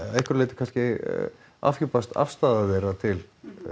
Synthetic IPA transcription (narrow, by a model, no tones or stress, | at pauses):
ehkʏɾleːt̪ɪ̥kʰanscɪ | a̰fçʏpast̪a̰fst̪aːðavɛːɾat̪ʰɪl